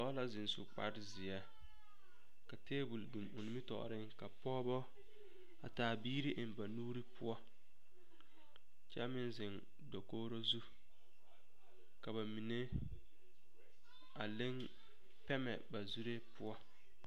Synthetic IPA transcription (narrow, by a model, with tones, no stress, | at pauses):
ɔ˦la˦zɪ˨nsʊ̰˨k͡pa̰˨ɾɪ˦zɪ˨ɛ˦ | ka˨teː˦bu˨ldu˨mʊ˨ni˦mɪ˦tɔ̰˨ɾɪ˦ŋka˨pɔː˦bɔ˦ | a̰˨taː˨biː˦ɾi˦ʔɪ˨mba˨nuː˦ɾi˦pʊ˦ɔ˦ | t͡ʃɛ˦mɪ˦nzɪ˨n | do˨koː˦ɾo˦zu˦ | ka˨ba˨mi˨ne˦ | a̰˨lɪ˦ŋ | pɛ˦mɛ̰˨ba˨zu˦ɾe˦pʊ˦ɔ˦